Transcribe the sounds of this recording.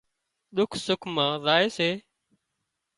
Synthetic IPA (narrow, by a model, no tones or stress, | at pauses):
ɗ̪ʊkʰsʊkʰmãːzaːeːseː